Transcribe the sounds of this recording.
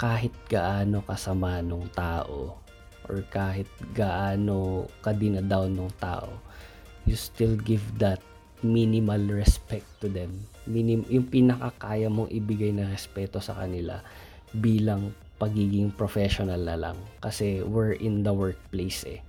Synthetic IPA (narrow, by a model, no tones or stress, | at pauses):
kaːɦɪt̪̚ɡ̥ɐʔaːno̞kɐsɐmanoŋt̪aːʔo̰ | ʔo̰ɹkaːɦɪt̪̚ɡɐʔaːno̞kɐd̪ɪnɐd̪awnoŋt̪a̰ːʔo̞̰ | just̪ɪlɡɪvd̪ɐt̪̚ | minɪmɐlɹɛspɛk̚t̪ːʊd̪ɛmːinɪmjʊŋpɪnɐkɐkaːjɐmo̞ŋʔɪbɪɡajnɐɾɛspɛːt̪osɐ̰kɐ̰nɪla̰ | biːlɐŋ | pɐɡiːɡɪŋpɹofɛʃonɐlnɐlɐ̰ŋkɐsɛwɛɹʔɪnd̪ɐwɛɹk̚plejsɛ̰